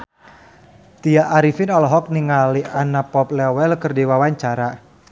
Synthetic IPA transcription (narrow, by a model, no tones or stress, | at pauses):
t̪iaʔːɾifɪnɔlɔɦɔk̚niŋaliʔanapɔp̚lɛwɛlkərdiwawaɲt͡ʃaɾa